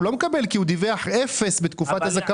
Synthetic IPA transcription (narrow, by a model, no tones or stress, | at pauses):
lo̞mekabelkiud̪iveaħʔefe̞sbet̪kufat̪hazaka